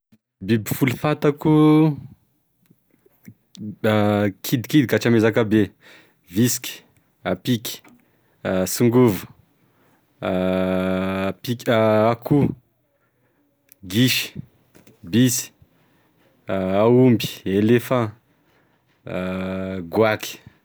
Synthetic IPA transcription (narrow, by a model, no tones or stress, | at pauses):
bibifulufat̪aku | kʰid̪i̥kid̪ikat͡ʃamezakabe | viski̥ | apiki̥ | asuŋɡuvu̥ | piakʰu | ɡiʃi̥ | bisi̥ | aumbi̥elefã | ɡwaki̥